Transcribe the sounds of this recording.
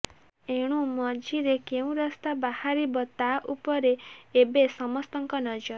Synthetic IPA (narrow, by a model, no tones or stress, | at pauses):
eɽ̃umɔd͡ʒiɾekeũɾɔst̪abahaɾibɔt̪aʔupɔɾeːbesɔmɔst̪ɔŋkɔnɔd͡ʒɔɾ